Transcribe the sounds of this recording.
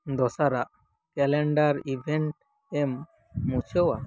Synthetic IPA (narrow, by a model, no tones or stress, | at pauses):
d̪ɔsaɾaʔ | kɛlɛɳɖaɾibʱɛɳʈ̚ | ɛmː | ut͡ʃʰɔwa